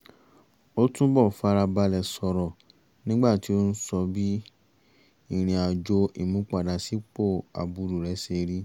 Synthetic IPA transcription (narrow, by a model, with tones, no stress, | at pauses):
o˦tũ˦bɔ˦˨fa˧ɾa˧ba˧lɛ˨sɔ˧ɾɔ˨ | nĩ˦ɡ͡ba˦˨ti˨˦o˦n̩˦sɔ˧bi˦ | i˦˨ɾ̃ĩ˨a˨d͡ʒo˧ʔi˨mũ˨˦k͡pa˦˨da˨si˨˦k͡po˦˨a̰˨bu˨˧ɾu˨ɾɛ˨˦se˧ɾi˦